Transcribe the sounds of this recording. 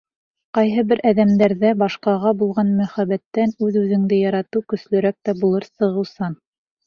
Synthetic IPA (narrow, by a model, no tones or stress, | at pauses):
qɑjɦɤbɘɾʔæðæmd̪æɾðæbɑʃqɑʁɑbulˠʁɑnmæχæβæt̪ːænʉðʉðɘ̆ŋd̪ɘjɑɾɑt̪ɤwkɵ̆slɵ̆ɾæk̚t̪æbulˠɤɾsɤ̆ʁɤ̆wsɑn